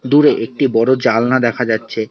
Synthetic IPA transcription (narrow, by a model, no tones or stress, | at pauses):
d̪uɾeʔek̚ʈibɔɾod͡ʑalnad̪ɛkʰad͡ʑatːɕʰe